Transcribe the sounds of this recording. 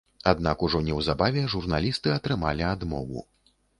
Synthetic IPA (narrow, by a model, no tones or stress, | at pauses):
ad̪̚nakuʐɔnʲɛwzabavʲɛʐurnalʲist̪ɨɐt̪ɾɨmalʲiad̪mɔ̰vṵ